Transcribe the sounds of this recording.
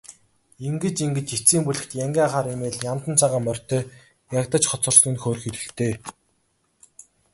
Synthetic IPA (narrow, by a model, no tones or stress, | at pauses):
eŋɡɘ̆t͡ɕiŋɡɘ̆t͡ɕit͡siːmpuɮɘ̆xt̪jaŋɡʲaːaχaːɾimeːɮjamt̪ə̆nt͡sʰaʁaːmœr̥ʲt̪eː | jakt̪ə̆t͡ɕχɔt͡sə̆rsnɘ̆nxoːrxiɮɘ̆ɬt̪eː